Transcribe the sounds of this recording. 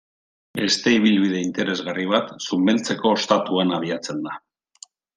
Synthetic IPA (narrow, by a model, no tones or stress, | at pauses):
be̞st̪e̞iβ̞ilβið̞e̞int̪e̞ɾe̞zɣariβ̞at̪sumbelt͡se̞ko̞st̪at̪uanaβ̞iat͡se̞nd̪a